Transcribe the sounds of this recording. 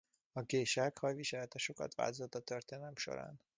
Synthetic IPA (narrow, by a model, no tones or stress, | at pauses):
ɒɡeːʃakhɒjʋiʃɛlɛt̪ɛʃo̞kɒ̰t̪ʋa̰ːlt̪ozot̪ːɒt̪ørt̪eːnɛlɛmʃo̰ɾa̰ːn